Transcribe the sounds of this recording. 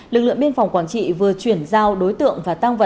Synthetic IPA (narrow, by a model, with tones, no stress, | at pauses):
lɨ˨˩k̚lɨ̰˧˨əŋɓi˧ənfa˨˩wŋ͡mkwaː˧˩nt͡ɕḭ˧˨vɨ˨˩ət͡ɕwi˧˩ənzaː˧˩wɗo˨˦jt̪ɨ̰˧˨əŋvaː˨˩t̪a˧ŋvə̰˧˩